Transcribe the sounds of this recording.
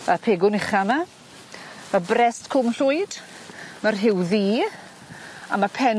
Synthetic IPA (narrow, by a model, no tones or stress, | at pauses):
əpʰeːɡʊnɪχama | mabrɛstkʰʊmɬʊɨd̥ | marɦɪwðiː | amapʰɛn